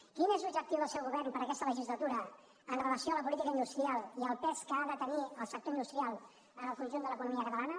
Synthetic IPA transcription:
kinezlubd͡ʒək̚t̪iwðəlˠsɛwɣuβɛrnpəɾəkɛst̪ələʒizlət̪uɾə | ənrələsioələpulit̪ikəind̪ust̪ɾialˠiəlˠpɛskəaðət̪əniəlˠsək̚t̪oind̪ust̪ɾialˠ | ənəlˠkunʲʒunələkunumiəkət̪əlanə

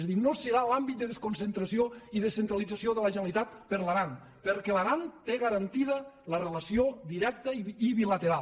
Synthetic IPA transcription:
zðinosəɾalambit̪̚d̪əðeskunsent̪ɾəsioiðəsent̪ɾəlid͡zəsioðələʒənəlit̪at̪pəɾləɾan | pəɾkɛləɾant̪eɣəɾənt̪iðələrələsiod̪iɾɛk̚t̪əiβilət̪eɾa

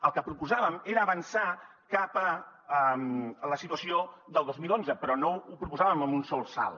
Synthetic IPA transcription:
əlˠkəpɾupuzaβəmeɾəːβənsa | kapəəmləsit̪uəsioðəlˠozmilˠonzəpɾɔnoupɾupuzaβəməmunsɔlˠsa̰lˠ

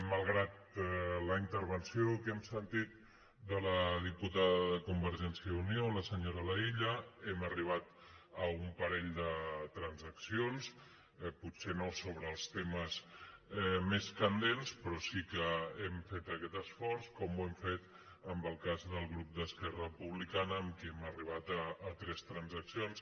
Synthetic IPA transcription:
məlˠɣɾat̪̚ləint̪əɾβənsiokɛmsənt̪it̪̚ | d̪ələðiput̪aðəðəkumbəɾʒɛnsjiəunioləsəɲoɾələiʎəɛməriβ̞at̪ | əumpəɾɛʎd̪ət̪ɾənzəksions | put̪senosoβ̞ɾəːlˠst̪eməzɛmeskənd̪enspɾɔsikəɛmfet̪əkɛt̪əsfɔɾskɔmuɛmfet̪ | əmbəlˠkazðəlˠɣɾup̚d̪əskɛrəpuβlikanəːmkɛməriβ̞at̪əːt̪ɾɛst̪ɾənzəksions

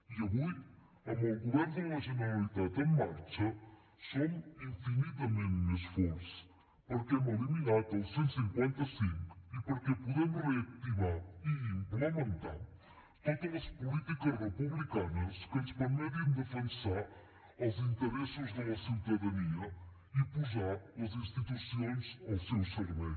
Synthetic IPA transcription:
iɐβij | ɛumɐɣulɛɾd̪ɐʁɐʒinɐɾɐlˠit̪aðɐ̃maɾt͡ʃɐ | somĩfinit̪ɐmẽnt̪nɐʃfoɾsɐ̥ | poɾkɛmɐluminaðpɐ̃sẽnt̪u̥sĩŋkwẽnt̪ɐsĩŋku̥ipoɾkepuðemureɐkt̪iβaɾilɐmẽnt̪ã̰ | t̪ɐkɛlɐʃpulˠit̪ikɐzʁɨpuβlˠikanɐʃkɐ̃ʃpɐmɛðud̪ɨfẽnsaɾ | ɐwzĩnt̪ɨɾesɨʒðɐɐsiðɐðɐniɐ | ipuʒaɾɐzĩʃt̪it̪wusõj̃ʃɐwsewsɐɾβej

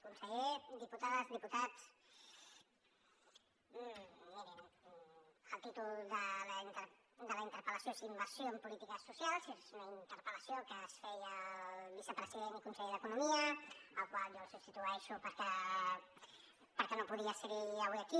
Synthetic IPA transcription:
kunsəʎed̪iput̪aðzðiput̪at͡s | miɾin | əlˠt̪it̪ulˠd̪əlint̪əɾ | d̪əlaint̪əɾpələsjosimbəɾsjoəmpulit̪ikəsusjalˠsezzunəint̪əɾpələsjokəsfejəlβisəpɾəziðenikunsəʎeðəkunumiəəlˠkwalʒosəsit̪uaeʃupəɾkɛ | pəɾkɛnopuðiasəɣiəβwiaki

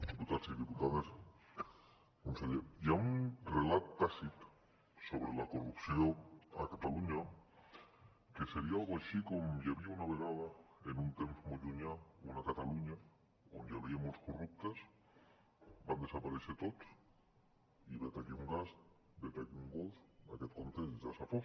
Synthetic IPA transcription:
ðiput̪asiðiput̪aðas | konθeðeiaunrelat̪t̪asit̪ | so̞βɾelakorupθjoŋa̰kat̪aluɲa | keseɾiaalɣaʃikomʝaβiaunaβeɣaðaenũnt̪emfmoʝuɲaoenakat̪aluɲa | ond̪aβiemoskorup̚t̪as | band̪e̞sapaɾeθet̪ot̪s | iβet̪aʎeuŋɡas | bet̪akuŋɡolfaket̪konθesʝasafo

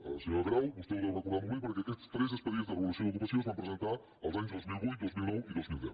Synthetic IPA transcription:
a̰siɲelˠɣɾawbust̪eiɾawnɐkuɾðamuβipoɾkeakɛst̪st̪ɾezespeðizðəreβulˠusjõneðukasozβampɾezẽnt̪aɾ | alˠzaɲuzðozmilˠujd̪ozmilˠnɔwiðozmilˠd̪ɛ̰w

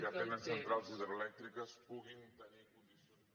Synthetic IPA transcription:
apɛnəssənt̪ɾalˠziðɾoelɛk̚t̪ɾikəspuɣint̪ənikund̪iso

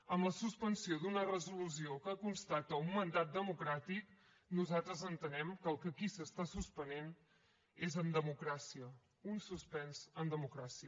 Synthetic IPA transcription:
əmləsuspənsiod̪unərəzulus̬iokəkunst̪at̪əumːənd̪at̪̚d̪əmukɾat̪ik | nuzat̪ɾəzənt̪ənɛmkəlˠkəkisəst̪asuspənen | ezənd̪əmukɾasiə | unsuspɛnzənd̪əmukɾasiə

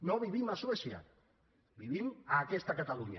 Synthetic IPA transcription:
noβiβ̞imaswesja̰ | biβ̞imaːkɛst̪akat̪aluɲa

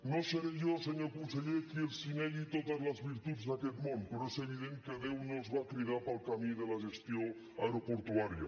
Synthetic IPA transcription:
noseɾeʝoseɲoɾkuseʎekielsineɣit̪oðazlazβiɾt̪ud̪zðaket̪mõnpeɾoeseβ̞iðeŋkeðewnozβakɾiðaɾpalˠkamĩðelaʒest̪jo | aɾopoɾt̪uaɾja̰

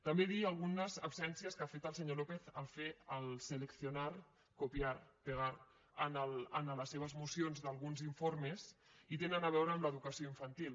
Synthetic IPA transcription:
t̪əmbeðiəlˠɣunəzəpsɛnsiəskafet̪əlˠsəɲolopeθəlˠfeəlˠsələksiunaɾ | kupiaɾpəɣaɾ | ənələnələsːeβ̞əzmusionzðəlˠɣunziɱfoɾmezit̪enənəβ̞ɛwɾəːmləðukəsioiɱfənt̪ilˠ

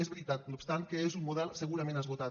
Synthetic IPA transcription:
ezβɾit̪at̪̚nupst̪ankəezummuðɛlˠsəɣuɾəmẽnəzβut̪a

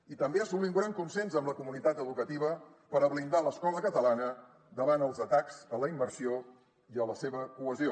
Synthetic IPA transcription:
it̪əmbeəsuliuŋɡɾaŋkunsenzəmləkumunit̪at̪əðukət̪iβə | pəɾəβlind̪aləskɔləkət̪əlanə | d̪əβanəlˠzət̪akz̥ələimbərsio | iələseβəkuəzio

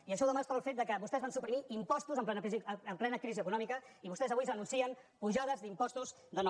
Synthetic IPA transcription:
iəʃɔðəmast̪aəlfet̪̚d̪əkəβust̪ɛzβansupɾimiʔimpɔst̪uzəmplɛnəiziəmplɛnəkɾiziəkunɔmikəiβust̪ɛzəβujzənunsiənpuʒaðəzd̪impɔst̪uz | d̪ənɔ

